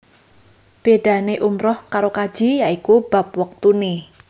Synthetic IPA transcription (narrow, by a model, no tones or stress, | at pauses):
b̥eɖ̥a̤neʔumɾɔhkaɾokad̥ʒ̥i̤jaikub̥a̤p̚wək̚t̪une